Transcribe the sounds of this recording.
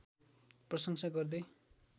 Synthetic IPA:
prʌsʌŋsʰaɡʌrd̪e

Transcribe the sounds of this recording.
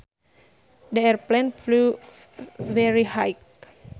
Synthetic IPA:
dəɛɹplɛ̃nflu | vɛɹihajk

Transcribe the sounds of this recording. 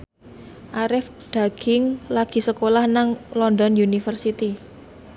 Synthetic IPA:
ʔaɾɪf | ɖ̪̥a̤ɡ̥ɪŋlaɡ̥i̤səkolahnaŋlɔndɔnjunifərsit̪i

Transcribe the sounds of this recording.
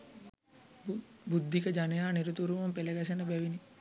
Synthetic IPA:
bud̪ʱːikəd͡ʒanejaːniɾut̪uɾumɐmpelɐɡɐs̬enəbɛʋini

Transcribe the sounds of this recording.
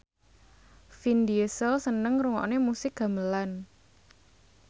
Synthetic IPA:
find̪iəsəlsənəŋɾuŋɔ̰ʔnemusɪk̚ɡ̥a̤məlan

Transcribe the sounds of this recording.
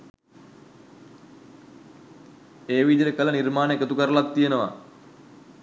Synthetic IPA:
eːʋid̪ejəkələnirmaːnəekət̪ukəɾəlat̪ːijenəʋa̰

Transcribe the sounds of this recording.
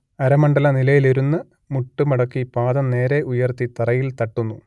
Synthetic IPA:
ɐɾɐmɐɳɖɐlɐnilɐjileɾunːɨ | muʈːumɐɽɐkːipaːðɐmne̞ːɾe̞ʔujɐrt̪it̪ɐrɐjilt̪ɐʈːunːu

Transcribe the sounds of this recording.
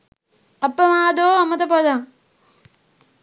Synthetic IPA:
ɐpːɐmaːd̪oːɐmːɐt̪ɐpɐd̪a

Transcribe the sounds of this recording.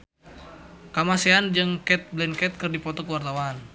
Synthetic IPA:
kamaseand͡ʒəŋkɛt̪̚blɛnkɛt̪̚kərdipɔt̪ɔkəwart̪awaːn

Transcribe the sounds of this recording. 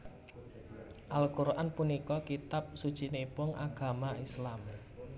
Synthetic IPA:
ʔalkuɾʔanpunikɔkit̪ap̚sud̥ʒ̥i̤nepʊŋʔaɡ̥a̤maislam

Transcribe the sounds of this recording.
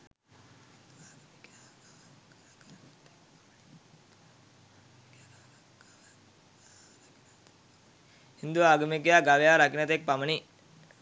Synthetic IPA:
hind̪uʋaːɡɐmek̬ijaːɡaʋejaːɾakinɐt̪ek̚paməni

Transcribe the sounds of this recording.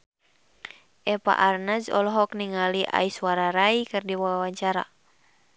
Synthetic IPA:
ʔɛpa̰ʔarnazɔ̰lɔɦɔkniŋaliʔa̰isuwaɾaɾaikɨrdiwawaɲt͡ʃaɾa̰

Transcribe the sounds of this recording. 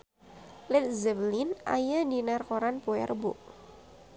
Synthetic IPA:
lɪt̪̚zɛblinʔa̰jadinarkoɾanpoɛ̰rbʊʔ

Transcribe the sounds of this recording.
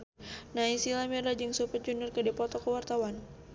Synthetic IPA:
naisilamɛɾad͡ʒɨŋsupəd͡ʒunərkədipɔt̪ɔkəwart̪awan

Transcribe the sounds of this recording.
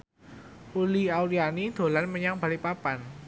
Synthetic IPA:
ʔuliauɾianid̪̥o̤lanməɲaŋb̥a̤lipapan

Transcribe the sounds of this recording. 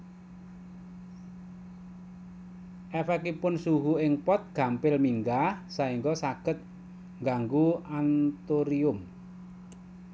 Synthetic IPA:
ʔɛfɛkipʊnsuɦuɪŋpɔt̪̚ɡ̥a̤mpɪlmiŋɡasaiŋɡɔsaɡ̥ət̪̚ | ŋɡaŋɡuant̪oɾiʊm

